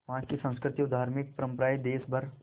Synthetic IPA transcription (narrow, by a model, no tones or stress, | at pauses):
ʋɐɦãkesə̃nskɾɪt̪iʊd̪ʱaːɾmɪk̚pɾə̃mpɾaːid̪eːsbʱɐɾ